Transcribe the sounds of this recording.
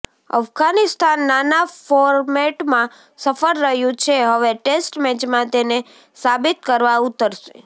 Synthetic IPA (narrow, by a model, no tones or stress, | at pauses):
ə̰fɡanist̪ʰanːanafɔɾmeʈmã | səfəɾɾəɦjũt͡ʃʰeɦəʋeʈesʈmɛd͡ʒmãt̪ene | sabit̪̚kəɾʋaut̪əɾʃḛ